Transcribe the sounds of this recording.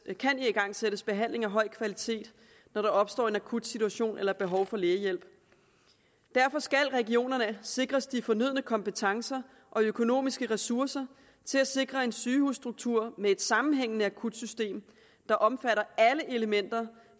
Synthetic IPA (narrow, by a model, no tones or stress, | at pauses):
kʰæniiɡ̥ɑ̈ŋ̰seɾ̥əsb̥e̝ɦæn̰le̝ŋæɦɒ̽ɪ̰kʰʋælit͡sʰe̝̰ːd̥ | nɒɾ̥ɑ̈ɒ̽b̥sd̥ɒ̰ːe̝nækʰud̥sit͡sʰuæɕo̝̰ːnʔelɐb̥e̝ɦɒ̽ʊfɒ̽leːɐjel̰b̥ | d̥æɐfɒ̽sɡ̥ælʁɛɡio̝̰ːnɐnəse̝ɡ̥ʁɐsd̥ifɒ̽nyð̞̰ˠənəkʰɒ̽mpət͡sʰɑ̈ŋsɐ | ʔɒ̽økʰo̝no̝̰ːmisɡ̥əʁɛsuɐsɐ | t͡sʰe̝læse̝ɡ̥ʁɐe̝nsyːhusːd̥ʁuɡ̥̚t͡sʰuɐ̰mee̝d̥sɑ̈mn̩ɦeŋ̰ənəækʰud̥sysd̥e̝̰ːm | d̥ɑ̈ʔɒ̽mfæɾɐæləʔe̝ləmen̰d̥ɐ